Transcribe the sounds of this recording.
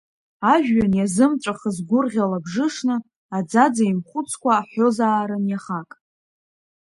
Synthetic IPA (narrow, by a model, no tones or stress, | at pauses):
aʒᶣːanjazɨmʈ͡ʂʷʼaχəzɡʷʊrʁʲalabʐɨʂnɨ | ad͡zad͡zaimχʷʊt͡sʰkʷʰaːħo̞zaːɾɨnjaχakʼ